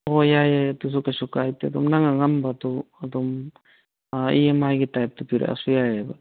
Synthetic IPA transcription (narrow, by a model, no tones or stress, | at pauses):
ɔjajajtus̬ɔkasɔkajtiad̪ɔmnaŋaŋambatɔad̪ɔm | aḭemajɡitajp̚tɔpiɾa̰ʔa̰sujajaba